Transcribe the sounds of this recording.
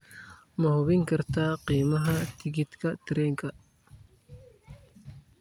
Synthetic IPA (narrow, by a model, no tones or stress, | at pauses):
mɐhʊβɪŋkʰɐrt̪ʰaːqiːmɐɦɐt̪ʰɪɣɪt̪kʰɐt̪ʰɪɾɛːŋkʰɐ